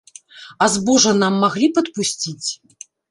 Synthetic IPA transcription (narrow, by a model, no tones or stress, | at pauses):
azbɔʐɐnamːaɣlʲipɐt̪pusʲt͡sʲit͡sʲ